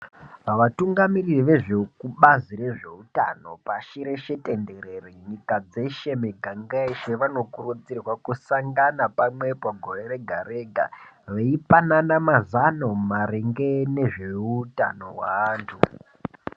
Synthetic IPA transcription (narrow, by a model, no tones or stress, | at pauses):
aʋatuŋɡamiriʋe̞ʐe̞kuɓazire̞ʐe̞uta̰no̞̰paʃiɾe̞ʃe̞te̞nde̞ɾe̞reɲikad͡ze̞ʃe̞miɡʱaŋɡaiʃeʋano̞kurud͡zirwakusaŋɡanapamwe̞paɡʱo̞re̞re̞ɡʱaɾe̞ɡʱa̰ʋeipananamazano̞maɾeŋɡene̞ʐe̞uta̰no̞̰wa̰ːntʰu